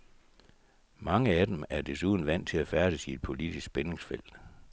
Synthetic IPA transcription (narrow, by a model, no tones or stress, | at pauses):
mɑ̈ŋəæd̥emæɐd̥e̝suð̞ˠn̩ʋæn̰t͡sʰe̝læfæɐɾ̥isid̥̚pʰo̝lid̥isɡ̥̚b̥ene̝ŋsfel̰d̥